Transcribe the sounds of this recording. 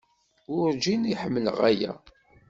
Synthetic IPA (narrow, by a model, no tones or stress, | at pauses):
ʊɾd͡ʒiniħəmːələʁæjæ̰